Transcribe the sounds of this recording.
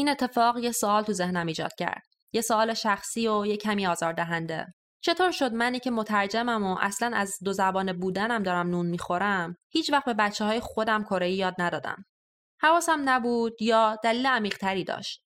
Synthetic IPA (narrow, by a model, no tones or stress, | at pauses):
ʔiːne̞t̪ʰːe̞fɒːɣjesoɒːlt̪ʰuze̞hnæmiːd͡ʒɒ̰ːd̪̥̚cʰæ̰ɾd̪̥̚ | jesoɒːle̞ʃæxsiːojecʰːæmiːɒːzɒːɾd̪æɦænd̪e̞̰ | t͡ʃʰe̞t̪ʰoːɾʃo̞d̪mæniːcʲʰe̞mot̪ʰæɾd͡ʒæmæmo̞ʔæ̰slænæzd̪ozæbɒːnebuːd̪ænæmd̪ɒːɾæmnuːnmiːxo̞ɾæmhiːt͡ʃʰvæχt̪̚be̞bæt̪t͡ʃʰːeɦɒːjexo̞d̪æmkʰo̞ɾejijɒːd̪̚næd̪ɒːd̪æ̰m | hævɒːsæmnæbuːd̪̥jɒːd̪æliːleæmiːʁt̪ʰæɾiːd̪ɒ̰ːʃt̪̚